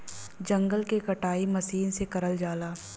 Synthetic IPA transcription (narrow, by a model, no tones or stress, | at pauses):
d͡ʒɐ̃ŋɡəlkekɐʈaːimɐsiːnsekɐɾəld͡ʒaːlaː